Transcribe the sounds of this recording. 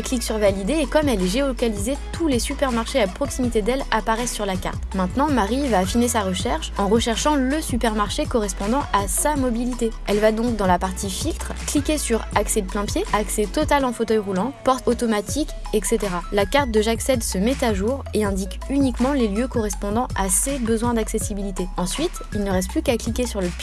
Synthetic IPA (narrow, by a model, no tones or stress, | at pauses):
kliksyʁvalid̪eːkɔmɛlɛʒeokalizet̪ʰulesypɛʁmaʁʃeapχɔksimit̪ed̪ɛlapaʁɛsːyʁlaka̰ʁt̪mɛ̃t̪nɑ̃maʁivaːfinesaʁəʃɛʁʃɑ̃ʁəʃɛʁʃɑ̃ləsypɛʁmaʁʃekɔʁɛspɔ̃d̪ɑ̃ʔasamɔbilit̪eɛlvad̪ɔ̃kd̪ɑ̃lapaʁt̪ifilt̪χklikʲesyʁaksɛd̪əplɛ̃pjeakset̪ɔt̪alɑ̃fot̪œjʁulɑ̃pɔʁt̪ot̪ɔmat̪ʰik | ɛkset̪eʁalakaʁt̪̚d̪əʒaksɛd̪səmɛt̪aʒuʁeɛ̃d̪ik | ynikmɑ̃leljøkɔʁɛspɔ̃d̪ɑ̃asebəzwɛ̃d̪aksesibilit̪eɑ̃sɥit̪ | ilnəʁɛs̬t̪̚plykaklikʲesyʁləp